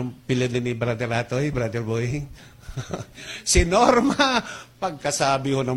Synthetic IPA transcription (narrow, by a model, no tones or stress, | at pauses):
ʊŋpɪlɪd̪̚nɪnɪbɾad̪ɛɾaːt̪ojbɾad̪ɛɾbo | sɪnoɾmɐpɐɡ̚kɐsaːbɪhonɐ